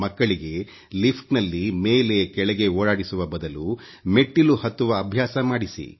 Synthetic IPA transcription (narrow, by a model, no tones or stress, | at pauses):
mɐkːɐɭiɡe̞ | lipʰʈnɐlːime̞ːle̞kɛɭɛɡe̞oːɽaːɽisuʋɐbɐd̪ɐlu | meʈːiluhɐt̪ːuʋɐːbʱjaːsɐmaːɽisḭ